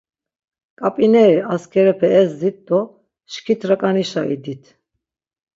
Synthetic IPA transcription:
kʼapʼinɛɾiaskʰɛɾɛpʰɛːzd̪it̪̚d̪ɔ | ʃkʰit̪ʰɾakʼaniʃaḭd̪it̪ʰ

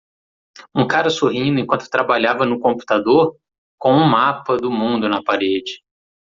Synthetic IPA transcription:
ũkaɾɐsoɦĩd̪ʊẽkwɐ̃nt̪ʊ̥t̪ɾabaʎavɐnʊkõmpu̥t̪ad̪oɾ | kõw̃ũmapɐd̪ʊmũnd̪ʊnɐpaɾed͡ʒɪ

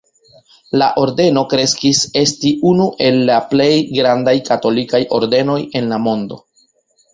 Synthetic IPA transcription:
laʔo̞ɾde̞no̞kɾe̞skise̞stiʔunuʔe̞lːaple̞jɡɾandajkato̞likajo̞̰ɾde̞no̞je̞nlamo̞ndo̞̰

